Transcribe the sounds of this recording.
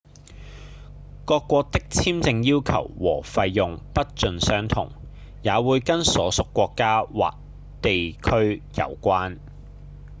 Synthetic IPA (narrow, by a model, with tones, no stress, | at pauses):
kɔː˧kːʷɔː˧k̚t̪ɪ˥k̚t͡sʰiː˥mt͡sɪ˧ŋjiː˥wkʰɐ̰˨˩wwɔ̰ː˨˩fɐ˧jːʊ˨ŋpɐ˥t̚t͡ʃɵ˨nsœː˥ŋt̪ʰʊ̰˨˩ŋ | jaː˨˧wuː˨˧jkɐ˥nsɔː˨˥sʊ˨kːʷɔː˧kːaː˥wa̰ː˨k̚ | t̪e˨jkʰɵ˥ɥjɐ̰˨˧wkʷaː˥n